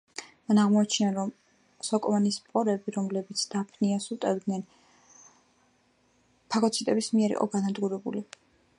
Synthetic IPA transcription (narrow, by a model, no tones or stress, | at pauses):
manaʁmɔat͡ʃʰnaɾɔm | sɔkʼɔmanispʼɔɾɛbiɾɔmlɛbit̪sʰd̪̥apʰniasut̪ʼɛvd̪nɛn | pʰakʰɔt̪sʰit̪ʼɛbismiɛɾḭqʼɔ̰ɡanad̪ɡuɾɛbṵli